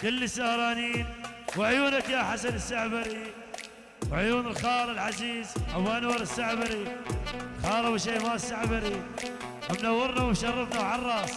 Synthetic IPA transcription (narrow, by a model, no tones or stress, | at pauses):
kɪlːisːahɾˤɑːniːn | wɪʕjuːnakjaħasanɪsːaʕbaɾi | wɪʕjuːnɪlxɑːlˤɪlħaziːzʔawanwɑɾˤɪsːaʕbaɾi | xɑːɾˤɑwɪʃeːmaːsːaʕbaɾi | ʔamnawːɪɾˤnawʃɑrˤːɑfnawʕɑrˤːɑːs